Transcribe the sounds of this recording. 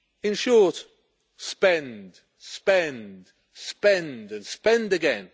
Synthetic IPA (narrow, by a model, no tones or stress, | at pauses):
ɪ̃nʃɔɹt | spɛ̃nd̥ | spɛ̃nd̥ | spɛ̃ndɨ̃nspɛ̃ndɨɡɛ̃n